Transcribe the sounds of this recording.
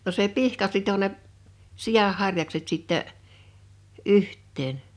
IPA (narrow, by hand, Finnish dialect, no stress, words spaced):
no se pihkɑ sito ne sij̆ɑh hɑrjɑkset sitːɛ ʔyhtˑeːn